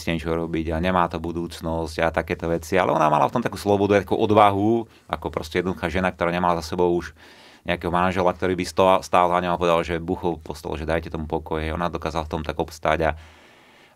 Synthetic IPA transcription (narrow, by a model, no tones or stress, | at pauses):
scɛɲɛt͡ʃɔuɾɔbiɟaɲɛmaːt̪ɔbud̪uːt͡snɔsɟat̪akɛːt̪ɔʋɛt͡sialɛ̰ɔnamalaft̪ɔmt̪akuːslɔbɔd̪uajt̪akuʔɔd̪ʋaɦu | a̰kɔpɾɔscʲɛjɛd̪nɔd̪uxaːʒɛnak̚t̪ɔɾaːɲɛmalazasɛbɔʊuʒ | ɲɛakɛɦɔmanʒɛlak̚t̪ɔɾiːbist̪st̪aːlzaɲɔmapɔʋɛd̪alʒɛbuxɔpɔst̪ɛ̰lɔ̰ʒɛd̪ajcɛt̪ɔmupɔkɔjɛɔnad̪ɔkaːzalaft̪ɔmt̪aɡɔpst̪aɟa